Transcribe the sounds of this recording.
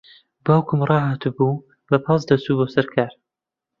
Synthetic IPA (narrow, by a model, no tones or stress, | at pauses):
baːwkʰʊmrˤɑːɦaːt̪ɨbuː | lɐpʰɑs̬d̪ɐst̪uːboːsɐɾkʰaːɾ